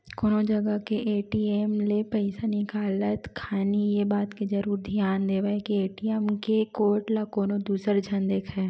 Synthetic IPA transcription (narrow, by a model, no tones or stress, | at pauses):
koːnod͡ʒɐɡəkeʔeːʈieːmlepɛɪsanɪkaːlət̪kʰaːnijebaːt̪ked͡ʒɐɾuːɾd̪ʱjaːnd̪eːʋaekieːʈieːmkekoːʈlakoːnod̪uːsəɾd͡ʒʱɐnd̪eːkʰɛ